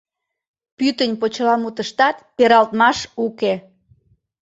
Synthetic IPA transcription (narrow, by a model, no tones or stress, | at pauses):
pyt̪ənʲpot͡ɕlɑmut̪əʃt̪ɑt̪peɾɑlt̪mɑʃuke